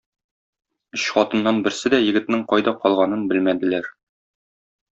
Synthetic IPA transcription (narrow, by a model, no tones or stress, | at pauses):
ɵɕχɒt̪ɤ̆nːɑnbɘ̆ɾsɘd̪æjɘ̆ɡɘ̆t̪nɘɴqɒjd̪ɑqɒlˠʁɑnɤnbɘlmæd̪ɘ̆læɾ